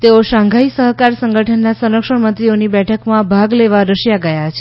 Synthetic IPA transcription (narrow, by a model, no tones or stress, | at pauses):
t̪eoʃãŋɡʱaisəɦkaɾsəŋɡəʈʰənːasənəkʂəɳmənt̪ɾionibɛʈʰəkmãbʱaɡleʋaɾəʃjaɡəjat͡ʃʰe